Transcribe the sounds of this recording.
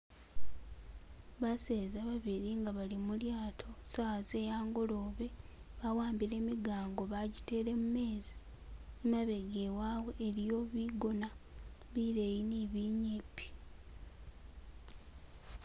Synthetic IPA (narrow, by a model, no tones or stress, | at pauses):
βaseːzaβaβiɾiŋɡaβalimuljaːtʰo̞saze̞jaːŋɡo̞lo̞βe̞ | βawaːmbiɾe̞miɡaːŋɡo̞βaɟite̞ːɾe̞mume̞ːzi̥ | maβe̞ɡewaːwe̞ʔːɾjo̞βiɡonaβiɾejiniβiɲipːi̥